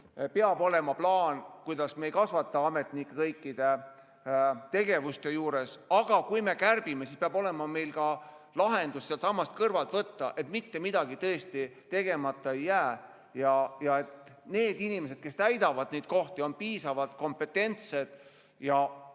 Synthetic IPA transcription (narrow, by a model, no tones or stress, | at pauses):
peɑbo̞le̞mɑplɑːnkujd̪̥ɑsmeːjkɑsvɑt̪ːˑɑɑme̞t̪nikːekɤjkːˑid̪̥e̞ | t̪e̞ɡe̞vust̪e̞juːɾe̞sɑɡ̥ɑkujme̞kærb̥ime̞sispeɑbo̞le̞mɑme̞jlkɑ | lɑɦe̞nd̪ussːelt̪sɑmːɑst̪kɤrvɑlt̪vɤt̪ːɑ̰ʔe̞t̪ˑmit̪ːe̞mid̪̥ɑɡit̪ɤest̪it̪e̞ɡe̞mɑt̪ːˑɑejːæː | jɑjɑe̞t̪ne̞ːd̪inimes̬e̞d̪̚ke̞st̪æjd̪ɑvɑd̪̥̚ne̞jd̪̥̚ko̞ht̪io̞npiːsɑvɑd̪ko̞mpe̞t̪ːˑe̞nt̪se̞d̪̥ | jɑ